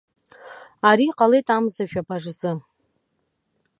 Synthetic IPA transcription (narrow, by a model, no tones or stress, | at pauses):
aɾiqʼalejtʼamzaʒᶣabaʐzɨ